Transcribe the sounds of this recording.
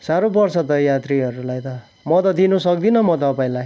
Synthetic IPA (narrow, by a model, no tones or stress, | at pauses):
saɾobʌrt͡sʰʌt̪ʌjat̪riɦʌɾulajt̪ʌ | mʌt̪ʌd̪inusʌk̚d̪inʌmʌt̪ʌʌpaĩlaj